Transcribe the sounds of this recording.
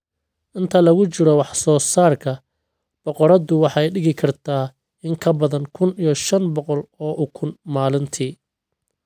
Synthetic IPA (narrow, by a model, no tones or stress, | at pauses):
ʔɪnt̪ʰɐlɐɣʊt͡ʃɪɾɔwɑħsɔːsaːrkʰɐ | b̥ɔqɔɾɐd̪ʊwɑħɛjɖɪɣɪkʰɐrt̪ʰaː | ɪŋkʰɐbɐðɐŋkʰʊnijɔʃɐnbɔqɔlɔːʔʊkʰʊnmaːlɪnt̪ʰiː